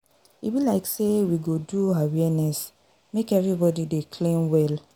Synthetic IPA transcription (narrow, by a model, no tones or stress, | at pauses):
ḭbilaɪksewiɡoduawɛnɛs | mekɛvɹibɔdidekʰlẽmwɛl